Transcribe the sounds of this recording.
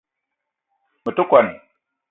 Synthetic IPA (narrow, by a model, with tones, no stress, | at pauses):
mə˨tu˦kʷa˨n